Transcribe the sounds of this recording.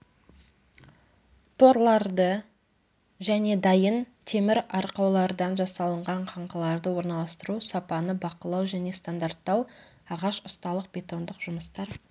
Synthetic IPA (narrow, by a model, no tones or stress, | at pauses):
t̪ʰo̞ɾlˠɑɾd̪ə | ʒæne̞d̪ɑjənt̪ʰe̞mɪɾɑɾqɑwlˠɑɾd̪ɑnʒɑsɑlˠəɴʁɑɴqʰɑɴqʰəlˠɑɾd̪əwo̞ɾnɑlˠɑst̪əɾusɑpɑnəbɑqəlˠɑwʒæne̞st̪and̪art̪ːɑw | ɑʁɑʃʊst̪ɑlˠəq̚bʲe̞t̪o̞nd̪əqʒʊməst̪ɑɾ